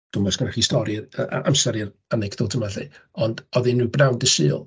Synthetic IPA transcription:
d̥ʊmɔsɡaɾaχistɔɾiəʔa̰ʔa̰msɛɾir | anɛkʰdoːtʰəmaɬḭɔndɔðinːubnawndɪsɨ̰ːlˠ

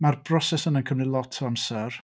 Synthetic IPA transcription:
marb̥rɔsɛsənənkʰəmrɪlˠɔtʰamsɛr

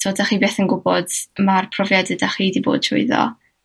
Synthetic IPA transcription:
tʰoːdaχiːbeːθənɡʊbɔdmarpʰrɔvjadədaχiːdibo̰ːd̥̚tʰrʊ̰ɨðɔ̰

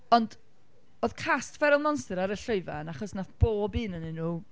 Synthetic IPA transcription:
ɔnd | oːð̥kʰastvɛɾʊlˠmɔnstəɾaɾəɬoɨva̰naχɔsnaθb̥oːbiːnəninuː

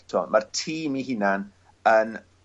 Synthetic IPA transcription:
tʰɔ̰martʰiːmiɦɪnan | ən

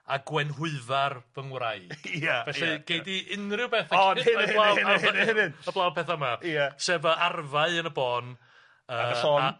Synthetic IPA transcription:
aɡwɛnɦʊɨvarvəŋwraɨavɛɨɡ̥ejdiʔɪnrɪwpɛθaɔɪablˠawanɪnəblˠawpʰɛθamaasɛːbəarvaɨənəbɔːn | əːɔ

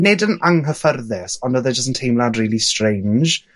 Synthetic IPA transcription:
nɪdənaŋɦəfərðɛsɔnəðəd͡ʒəstntʰejmlˠadriːlˠistɹẽjnd͡ʒ

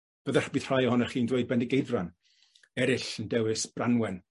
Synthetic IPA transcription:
b̥əðaχbɨð̥r̥ajɔhɔnaχiːndweɨd̚bɛnɪɡejðran | ɛɾɪɬəndɛwɨsb̥ranwɛn

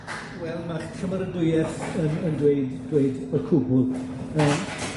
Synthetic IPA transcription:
wɛlˠmaχʃʰəmaɾəndʊjɛθənəndweɨddweɨdərkʰʊbʊlˠ | əːm

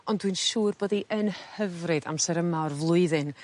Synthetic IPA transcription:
ɔndwɨnʃuːrboːdiʔənhhəvrɨda̰msɛɾəmarvlˠʊɨðɨn

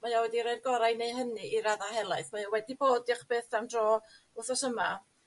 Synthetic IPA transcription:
majawɛdiɾajrɡɔɾajneɦənɨʔiɾaðahɛlˠaɨθmajawɛdiboːdɪχb̥eːθamdrɔː | ʊθɔsəma

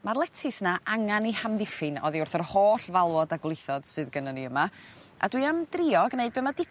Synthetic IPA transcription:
marlˠɛtʰɨsnaʔaŋanihamðɪfɨnɔ̰ðiʊrθərhoːɬvalˠwɔdaɡlˠɨθɔd̥sɨðɡənəniəmaa̰dwiamdriɔɡneɨd̚bemadɪ

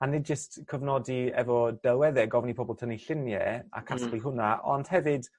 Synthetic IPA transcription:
anːɪd̚d͡ʒəstkʰəvnɔdiɛvɔd̥ɛlˠwɛðɛɡɔvnipʰɔbɔlˠtʰəniɬɪnjɛ̰a̰kʰasbliɦʊnaʔɔ̰nd̥hɛvɪd̥

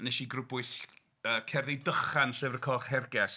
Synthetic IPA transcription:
nɛʃiɡrʊbʊɨθ | əːkʰɛrðɪdəχanɬɪvrəkʰɔχhɛrɡɛs

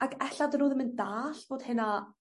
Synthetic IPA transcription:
aɡɛhɬad̪ənuːðɪmɪnd̪aːɬvoːd̪̥hɪna

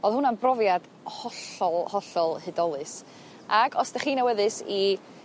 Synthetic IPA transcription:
oðhʊnanbrɔvjad̥ | hɔɬɔlˠhɔɬɔlˠhɨdɔlˠɨs | aɡɔsd̥ɛχiːnawɛðɨsi

